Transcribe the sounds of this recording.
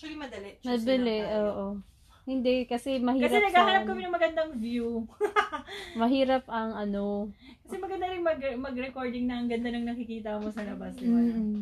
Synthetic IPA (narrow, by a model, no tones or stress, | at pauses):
ɐlimɐd̪ɐlɛmɐbɐlɛoːʔo | hɪnd̪ɛkɐsɛmɐhiːkɐɐɾɐɛnɐɡɡaːɐnɐpkɐmɪnɐŋmɐɡɐnd̪ɐŋvju | mɐɦiːɾɐp̚ʔɐŋɐno̞kɐsɛmɐɡɐnd̪ɐɾɪŋmɐɡmɐɡɾɛko̞ɹd̪ɪŋnɐʔɐŋɡɐnd̪anɐŋnɐkɪkiːt̪ɐmosɐlɐbasnɪmba